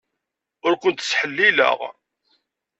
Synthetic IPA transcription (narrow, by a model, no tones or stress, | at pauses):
ʊɾkʷʊnt̪sħəlːilə̰ʁ